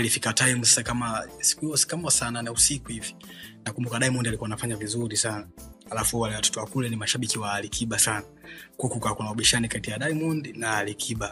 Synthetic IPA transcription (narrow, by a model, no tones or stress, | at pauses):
lifikataimusasakamasi̥kuhiɔsi̥kamɔsananausikuhivi̥ | nakumbukaɗaimundialikuanafaɲavizuɾisanahalafuwalɛwatɔ̥tɔwakulɛnimaʃaɓikiwalikʰiɓasanakukukakunaɔɓiʃanikatijaɗaimundinalikʰiɓa